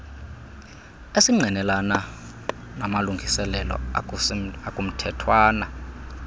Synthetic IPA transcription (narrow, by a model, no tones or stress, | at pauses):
esiŋ͡ǀʱinɛlana | namaluŋɡʱisɛlɛlɔ̰ | akʼum̩tʰɛtʰwaːna